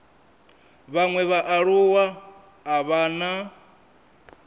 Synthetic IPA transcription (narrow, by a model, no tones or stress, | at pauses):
βaŋwɛβaʔaɺuwaː | βana